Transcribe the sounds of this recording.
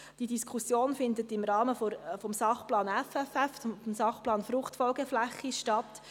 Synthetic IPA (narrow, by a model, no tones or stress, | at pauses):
d̥idiskʰʊsjoːnfɪndətɪmɾɑːməfɔfɔmsɑχplɑːnɛfɛfɛffmsɑχplɑːnfɾʊχtfɔlɡɛflæχːiʃtɑt